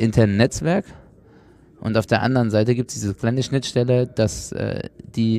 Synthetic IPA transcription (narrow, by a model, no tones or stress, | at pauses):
ʔɪntʰɛɐnːɛt͡sv̥ɛɐk | ʔʊ̰ntaʊfd̥eːɐʔa̰ndəʁənzaɪtəɡiːp̚tsd̥iːzəkl̥aɪnəʃnɪtʃtɛləd̥asʔɛ̰ːd̥iː